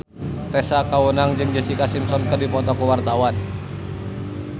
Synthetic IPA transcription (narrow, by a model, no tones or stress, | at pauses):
t̪ɛsakaunaŋd͡ʒɨŋd͡ʒəsikasimsɔnkərdipɔt̪ɔkuwart̪awan